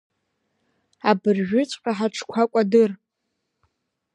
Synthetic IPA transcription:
abɨrʒᶣʏt͡sʷʼqʲʼaħaʈ͡ʂʰkʷʰakʷʼadɨr

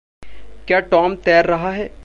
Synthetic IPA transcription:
kjaːʈɔːmt̪ɛːɾːɐɦaɦɛː

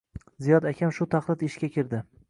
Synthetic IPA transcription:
zijɒd̪akʲʰamʃʊt̪ʰaχlˠɪd̪ɪʃkʲakʲʰɪɾd̪ɪ

